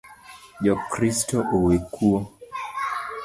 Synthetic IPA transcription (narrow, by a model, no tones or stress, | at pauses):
d͡ʒɔkɾistɔʔowekʰuo